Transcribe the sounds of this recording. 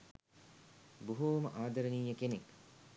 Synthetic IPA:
buɦoːməʔaːd̪ɐɾəniːjəkenek

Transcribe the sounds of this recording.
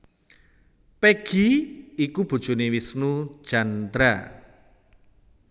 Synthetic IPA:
peɡ̥iikub̥o̤d̥ʒ̥o̤newisnu̥ʒ̥and̪ɾa

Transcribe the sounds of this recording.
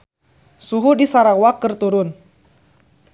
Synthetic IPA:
suɦudisaɾawakərt̪uɾʊn

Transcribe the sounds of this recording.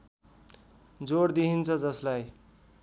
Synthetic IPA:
d͡zoɾd̪iɦint͡sʰʌd͡zʌslaj

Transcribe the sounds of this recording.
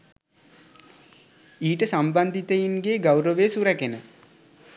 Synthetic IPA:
iːʈəsamband̪it̪əjinɡeːɡawɾəʋesuɾækenə

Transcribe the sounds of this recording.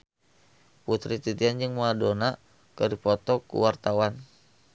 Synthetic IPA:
put̪ɾit̪it̪iand͡ʒɨŋmaadona | kədipɔt̪ɔkṵwart̪awan

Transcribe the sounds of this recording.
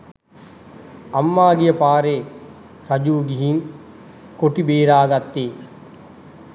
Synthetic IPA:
ɐmːaːɡijɐpaːɾeː | pɐd͡ʒuːɡiɦin | koʈibeːɾaːɡɐt̪ːeː

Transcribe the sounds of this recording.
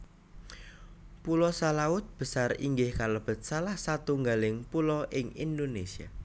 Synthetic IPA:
pulɔsalaʊt̪̚b̥ə̤sarḭŋɡɪhkaləb̥ə̤t̪̚salahsat̪uŋɡalɪŋpulɔʔɪŋḭnd̪onesia̰

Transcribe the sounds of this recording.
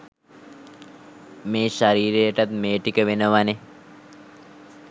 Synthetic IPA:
meːʃaɾiːɾejəʈat̪meːʈikəʋenəʋane

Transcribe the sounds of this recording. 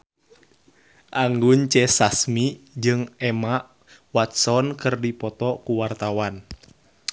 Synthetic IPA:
ʔaŋɡuɲt͡ʃɛsasmid͡ʒɨŋɛma | wat̪̚sɔnkɨrdipɔt̪ɔkuwart̪awan

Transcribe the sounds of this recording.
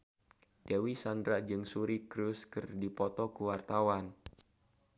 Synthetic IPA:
d̥ewisandɾad͡ʒɨŋsuɾikɾuskɨrdipɔt̪ɔkuwart̪awan

